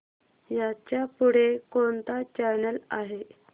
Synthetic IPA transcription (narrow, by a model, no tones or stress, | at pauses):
jat͡ɕjapuɽ̤ekont̪at͡ɕaɾnəlaɦe